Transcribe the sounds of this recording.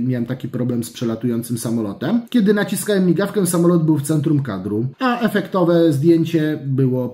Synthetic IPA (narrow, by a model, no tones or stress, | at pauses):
mʲjawɛmt̪akʲipɾɔblɛmspʂɛlat̪ujɔnt̪sɘmsamɔlɔt̪ɛmkʲɛd̪ɘnat͡ɕiskawɛmːʲiɡafkɛsamɔlɔd̪bɘwft̪sɛnt̪ɾumka̰d̪ɾuaʔɛfɛkt̪ɔvɛzd̪ʲjeɲt͡ɕɛbɘwɔ